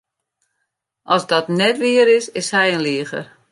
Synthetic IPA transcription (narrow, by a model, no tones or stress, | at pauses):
ʔɔsdɔtnɛtʋɪəɾɪsɪshɛjənliəxə̰r